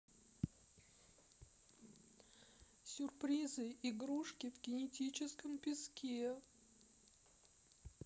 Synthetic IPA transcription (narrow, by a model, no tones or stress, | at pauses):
sʲʊrpɾʲizɨɪɡɾuʂkʲɪvɡʲɪnʲɪtʲit͡ɕɪskəmpʲɪskʲe